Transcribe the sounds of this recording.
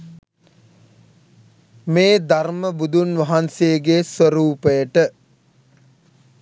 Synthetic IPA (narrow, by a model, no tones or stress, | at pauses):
meːd̪arməbud̪unʋɐɦanseɡesʋəɾuːpəjəʈə